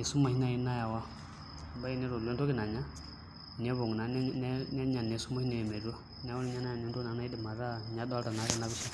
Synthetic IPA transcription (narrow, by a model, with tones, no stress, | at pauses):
e˨su˦ma˨hi˦na˨i˨˦na˦ja˨wa˦˨ | ba˦i˦nɛ˦ɾo˨lo˦n˦to˦ki˦˨na˨ɲa˦ | nɛ˨˦βo˨ŋ˨na˨˦n˦n˦nɛ˦ɲa˨nɛ˨˦su˦ma˦hi˦na˨jɛ˨me˨ɾu˦ɔ˦ | n˨a˦wu˦i˦ɲa˦na˦a˨no˦nto˦na˨˦a˦i˦di˨ma˨ɾa˦ɲa˨˦dɔ˦lta˨na˨˦ɾɛ˨na˦βi˦si˦